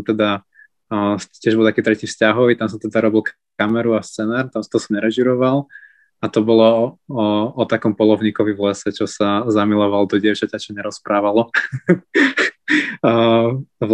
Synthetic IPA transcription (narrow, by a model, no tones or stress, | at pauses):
t̪ɛd̪a | t͡ɕɪɛʒbɔlˠt̪akiːt̪ɾɛciːfscaɦɔʋit̪ams̬at̪ɛd̪aɾɔbilˠk | kamɛɾuafst͡sɛnaːɾt̪amsat̪ɔɔsɔɲɛɾɛʒiɾɔʋalˠ | at̪ɔbɔlɔ | ɔt̪akɔmpɔlɔʊɲiːkɔʋivlɛsɛt͡ʃɔsazamilɔʋald̪ɔɟɪɛʊt͡ʃacat͡ʃɔɲɛɾɔspɾaːʋalɔ